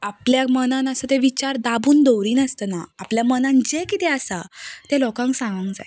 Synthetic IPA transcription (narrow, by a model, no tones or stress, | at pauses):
apljamənãnəsət̪eʋit͡ɕaɾd̪abuːnd̪owɾiːnəst̪ənaːpljamənãnd͡ʑekit̪eəsat̪elɔkãŋksãŋɡãŋkd͡za̰j